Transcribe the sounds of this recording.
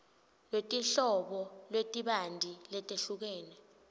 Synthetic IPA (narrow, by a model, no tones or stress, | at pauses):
lwetʼiɬɔɓɔlwetʼiɓandʱilɛtʼeɬuk̬ɛːnɛ